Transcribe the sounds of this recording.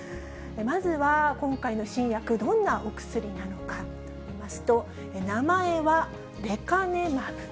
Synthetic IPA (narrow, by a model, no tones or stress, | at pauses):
emazɨβakõ̞ŋkaino̞ɕĩɰ̃jakɯ̟d̪õ̞nːaʔo̞kɯ̟̥sɨɾʲinano̞ka | mimasɨ̥t̪o̞ | enamae̞βa | ɾe̞kane̞mḁ